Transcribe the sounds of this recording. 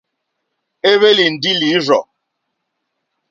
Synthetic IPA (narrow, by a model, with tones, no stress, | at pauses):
e˦βe˦li˨n̩˨di˦li˨˦ɾɔ̰˨